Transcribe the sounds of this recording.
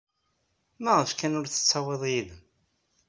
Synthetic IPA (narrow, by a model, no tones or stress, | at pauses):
mæʁəfkænʊɾθə̥t͡sːɑweðˤjið